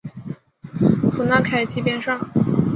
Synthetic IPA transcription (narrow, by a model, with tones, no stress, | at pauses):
pʰu˨˩na˥˧˩kʰa˨˥˩ɪt͡ɕi˥˧pjɛ˥˧nʂɑ˥˩ŋ